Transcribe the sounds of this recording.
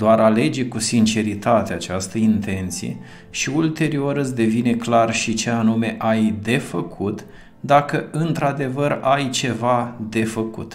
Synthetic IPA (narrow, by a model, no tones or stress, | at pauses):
d̪oaɾale̞d͡ʒekusint͡ʃe̞ɾit̪at̪eat͡ʃast̪əint̪e̞nt̪sijḛ | ʃiult̪e̞ɾio̞ɾɨsd̪e̞vine̞klarʃit͡ʃe̞anume̞ʔajd̪e̞fəkʰut̪ | d̪akəɨnt̪ɾad̪e̞vəɾajt͡ʃe̞vad̪e̞fəkṵt̪